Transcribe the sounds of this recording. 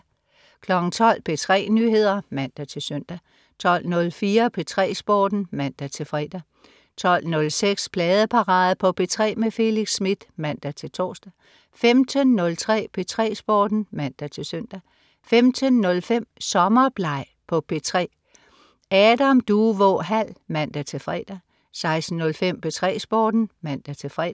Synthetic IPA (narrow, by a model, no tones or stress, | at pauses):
kʰlɒ̽ɡ̥n̩t͡sʰɒ̽l̰pʰe̝t͡sʰʁɛ̰ːnyɦe̝ð̰ˠɐmæn̰d̥æt͡sʰe̝lsøn̰d̥æ | t͡sʰɒ̽l̰nɔ̽lfiːɐpʰe̝t͡sʰʁɛ̰ːsb̥ɒːd̥n̩mæn̰d̥æt͡sʰe̝lfʁid̥æ | t͡sʰɒ̽l̰nɔ̽lseɡ̥spʰlɛːð̞ˠəpʰɑ̈ʁɑ̈ːðˠpʰɒ̽pʰe̝t͡sʰʁɛ̰ːmefe̝liɡ̥sːmid̥mæn̰d̥æt͡sʰe̝lt͡sʰɒ̰ːsd̥æ | femd̥ʰənːɔ̽lt͡sʰʁɛ̰ːpʰe̝t͡sʰʁɛ̰ːsb̥ɒːd̥n̩mæn̰d̥æt͡sʰe̝søn̰d̥æ | femd̥ʰənːɔ̽lfem̰sɒ̽mɐb̥lɑ̈ɪ̰pʰɒ̽pʰe̝t͡sʰʁɛ̰ː | ɛːd̥æmd̥uːʋɔɦæl̰mæn̰d̥æt͡sʰe̝lfʁɛ̰ːd̥æ | sɑ̈ɪsd̥n̩ːɔ̽lfem̰pʰe̝t͡sʰʁɛ̰ːsb̥ɒːd̥n̩mæn̰d̥æt͡sʰe̝fʁɛ